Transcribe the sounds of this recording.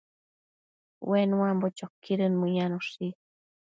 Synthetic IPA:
wenũãmbot͡ʃokːiɾɨnmɨ̃januʂi

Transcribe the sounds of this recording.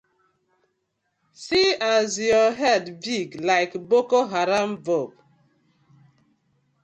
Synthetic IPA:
siazjɔɦɛdbiɡlaɪkbokoɦaɾam̩vɔb

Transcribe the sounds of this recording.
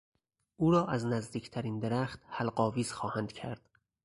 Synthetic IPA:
ʔuːɾɒːʔæznæzd̪iːcʰt̪ʰæɾiːnd̪eɾæxt̪hælɢɒːviːz̥xɒːhænd̪̥cʰæɾd̪̥

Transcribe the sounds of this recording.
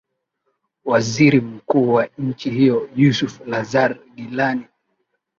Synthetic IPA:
waziɾim̩kuːwaɲ̩t͡ʃihijɔjusuflazaɾɡilani

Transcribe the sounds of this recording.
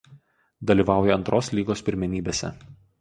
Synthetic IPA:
d̪ɐlʲiːˑʋɑˑʊjɛɐnt̪ɾʔoːslʲiːɡoːspʲɪɾʲmʲɛnʲiːbʲeːsʲɛ̰

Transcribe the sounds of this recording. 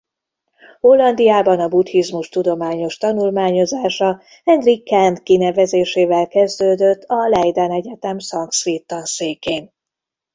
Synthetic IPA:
ho̞lːɒnd̪ijaːbɒnɒbut̪hizmuʃt̪ud̪o̞maːɲo̞ʃt̪ɒnulmaːɲo̞zaːʃɒ | ɛnd̪rikːɛnt̪kinɛvɛzeːʃeːvɛlkɛzd̪øːd̪øt̪ːɒlɛjd̪ɛnɛɟɛt̪ɛmsɒŋksʋeːt̪ːɒnseːkeːn

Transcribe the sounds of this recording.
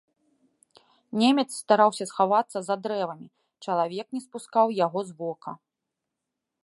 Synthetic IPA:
nʲemʲɛt̪sːt̪aɾawsʲɐsxavat̪sːɐzad̪ɾɛvɐmʲi | t͡ʂɐlˠavʲɛknʲɛspuskawjaɣɔzvɔkɐ

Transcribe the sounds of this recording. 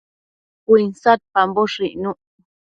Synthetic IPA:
kʷinsat̪̚pamboʂiʔnũ

